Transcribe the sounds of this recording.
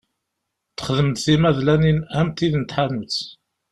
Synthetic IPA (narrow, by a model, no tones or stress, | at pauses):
t̪ə̥χðəmt̪θimæðlæninæmt̪iðnət̪ħanət͡s